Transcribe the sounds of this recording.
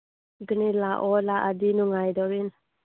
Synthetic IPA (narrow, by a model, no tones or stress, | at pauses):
ɡənilaʔɔlaʔadinuŋajdɔɾin